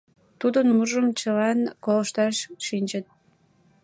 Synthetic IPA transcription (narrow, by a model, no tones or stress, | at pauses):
t̪ud̪ənmuʒəmt͡ɕəlɑnkoləʃt̪ɑʃʃinʲt͡ɕət̪̚